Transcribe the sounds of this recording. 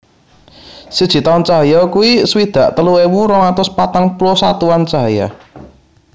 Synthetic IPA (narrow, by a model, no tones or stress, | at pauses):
sid̥ʒ̥i̤t̪ant͡ʃaɦjɔkuiswid̪̥a̤ʔt̪əluewuɾɔŋat̪ʊspat̪aŋpulɔsat̪uant͡ʃaɦja̰